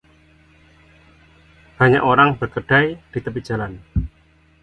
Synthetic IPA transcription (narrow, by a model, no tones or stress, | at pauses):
b̥a̤ɲa̰ʔoɾaŋb̥ərkəɖ̥ajd̪̥i̤t̪əp̬i̥ʒ̥a̤lan